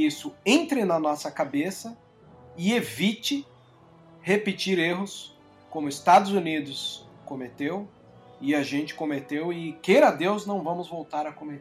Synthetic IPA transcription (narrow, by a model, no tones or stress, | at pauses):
isʊẽnt̪ɾɪnɐnɔsɐkabesɐ | ɪevit͡ʃɪ | hepɪt͡ʃiɾeɦʊs | kõmʊɪst̪ad̪ʊzunid̪ʊskomet̪ew | ɪaʒẽnt͡ʃɪ̥kõmet̪ewɪkejɾɐd̪ewznɐ̃w̃vɐ̃mʊzvowt̪aɾɐkõmet̪